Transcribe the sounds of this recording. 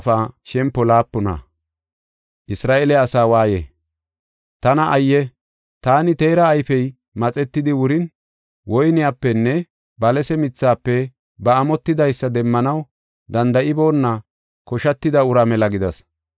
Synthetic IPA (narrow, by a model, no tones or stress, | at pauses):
faːʃɛmpːɔlaːpːʊnɐ̰ | ʔɪsɾaːʔelɛɐsaːwaːjɛ̰ | t̪ɐnɐʔɐjːɛ | t̪aːnɪt̪e̞ːɾɐːjfɛj | mɐt͡sʼɛt̪ːɪd̪ɪwʊɾɪn | wɔjnɪjaːpːɛnːɛ | bɐlɛsɛmɪt͡sːaːpːɛ | bɐːmɔt̪ːɪd̪ɐjsːɐd̪ɛmːɐnɐw | d̪ɐnd̪ɐʔɪbo̞ːnːɐ | kɔʃɐt̪ːɪd̪ɐʊɾɐmɛlɐɡɪd̪ɐs